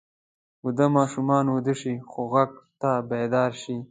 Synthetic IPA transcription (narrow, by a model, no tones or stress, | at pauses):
wud̪amɑːʃumɑːnwud̪əʂixoɣaɡ̚t̪abed̪ɑːɾʃi